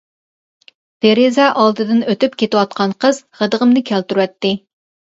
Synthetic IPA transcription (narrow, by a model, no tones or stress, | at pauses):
b̪̥eɾezɛʔɑlˠd̪ɨd̪ɨnøt̪ypkʲʰet̪ɪwɑt̪̚qʰɑnqʰəzʁəd̪əʁəmnɨkʲʰælt̪yɾuwɛt̪ːɪ